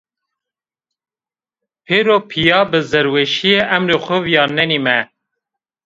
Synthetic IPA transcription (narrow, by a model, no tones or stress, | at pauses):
pʰeːɾopʰijɑːbɨzɛɾwɛʃijeʔæmɾexʷʊvjɑːnɛnimɛ